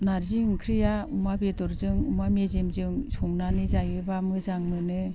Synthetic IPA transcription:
naɾziŋkʰɾijaumabetɔɾzɯŋumamezemzɯŋsʰɔŋnanizajebamɯzaŋmɯnɯ

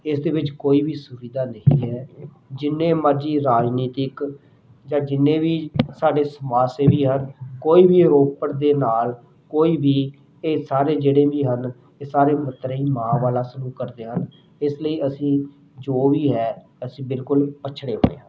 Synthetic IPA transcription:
ɪsd̪eːʋɪt͡ʃkoːiːbiːsʊʋiːd̪aːnəɦĩːɦɛː | d͡ʒɪnːẽːməɾd͡ʒiːɾaːd͡ʒniːt̪ɪk | d͡ʒãːd͡ʒɪnːẽːbiːsaːɖeːsəmaːseːbiːɦənkoːiːbiːɾoːpəɾd̪eːnaːl | koːiːbiː | eːsaːɾeːd͡ʒeːɽeːbiːɦən | eːsaːɾeːmət̪ːɾiːmãːʋaːlaːsəluːkəɾd̪eːɦən | ɪsləiːʔəsĩː | d͡ʒoːʋiːɦɛː | əsĩːbɪlkʊlpət͡ʃʰɽeːɦo̰ːḛːɦãː

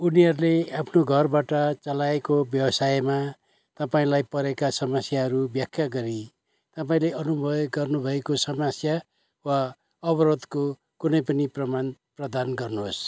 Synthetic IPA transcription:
uniɦʌɾuleapʰnoɡʱʌrbaʈʌt͡sʌlaekobjʌbʌsajma | t̪ʌpaĩlajpʌɾekasʌmʌsjaɦʌɾubjʌkʰjaɡʌɾi | t̪ʌpaĩleʔʌnubʱʌjɡɡʌrnubʱʌekosʌmʌsja | wa | ʌbʌɾod̪ko | kunʌjpʌniprʌmanprʌd̪anɡʌrnuɦos

